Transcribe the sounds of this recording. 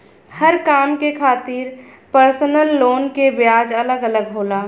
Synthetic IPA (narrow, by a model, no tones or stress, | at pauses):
həɾkaːmkekʰaːt̪iɾpəɾsnəlːoːnkebjaːd͡ʒələɡələɡɦoːlaː